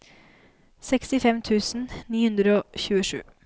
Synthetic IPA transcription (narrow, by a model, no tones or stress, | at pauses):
sɛkst̪ɪfɛmt̪ʰʉːsn̩niːhʉnd̪ɾəoːçʉːəʂʉ̰ː